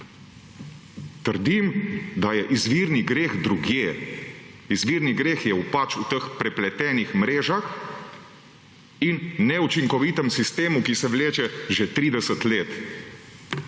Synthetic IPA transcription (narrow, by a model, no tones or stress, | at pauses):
t̪əɾd̪imd̪ajɛʔizʋiːɾniɡɾeːɣd̪ɾuɡjeː | izʋiːɾniɡɾeːxjɛupat͡ʃut̪əxpɾɛplɛt̪ɛːnixmɾeːʒax | inːɛut͡ʃiŋkɔʋiːt̪əmsist̪eːmukisɛʋleːt͡ʃɛʒɛt̪ɾiːd̪ɛsət̪leːt̪